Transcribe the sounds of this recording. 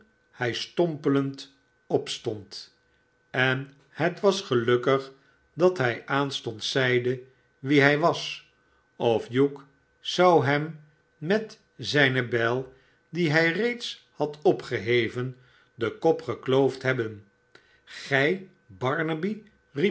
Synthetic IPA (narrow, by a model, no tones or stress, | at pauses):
hɛjstɔmpələnt | ɔpstɔnt | ɛn | hətʋɑsχəlɵkəχ | dɑtɦɛjʔaːnstɔntsɛjdə | ʋiɦɛjʋɑs | ɔfjuk | z̥ɑwɦɛmː | ɛt | zɛjnəbɛlˠ | diɦɛjrejts | hɑtʰɔpχəɦejvən | dəkɔpχəklowftɦɛbən | χɛj | bɑɹnəbi | ri